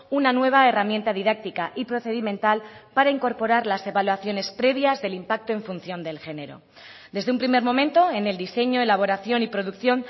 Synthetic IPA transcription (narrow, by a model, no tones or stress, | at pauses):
unanwe̞β̞ae̞ramje̞nt̪aðiðak̚t̪ikaʔipɾo̞θe̞ðimẽnt̪alpaɾaiŋko̞ɾpo̞ɾaɾlase̞βalwaθjo̞ne̞spɾe̞βjazðe̞limpak̚t̪oe̞ɱfunθjo̞nd̪e̞lxe̞ne̞ɾo̞̰ | d̪e̞zðeumpɾime̞ɾmõ̞mẽ̞nt̪o̞e̞ne̞ld̪ise̞ɲo̞elaβ̞o̞ɾaθjo̞nipɾo̞ðukθjo̞n